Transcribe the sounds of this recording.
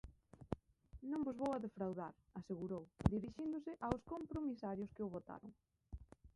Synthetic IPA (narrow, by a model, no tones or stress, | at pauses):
nõŋbʊzβowaðefɾawðaɾ | aseɣuɾowd̪iɾiʃind̪ʊsɪʔawskompɾomisaɾjʊskɪʊβot̪a̰ɾʊ̰ŋ